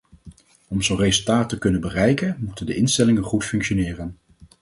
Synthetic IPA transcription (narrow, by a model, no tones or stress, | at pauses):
ɔmzowrezɵlˠtaːtəkɵnənbərɛjkənmutəndəʔɪnstɛlɪŋənχutfɵŋkʃonɪːrən